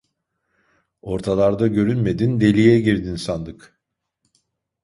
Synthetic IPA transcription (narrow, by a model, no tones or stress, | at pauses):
o̞ɾt̪ʰalˠaɾd̪aɟø̞ɾynme̞d̪ind̪e̞lʲijɛɟiɾd̪insand̪ɯk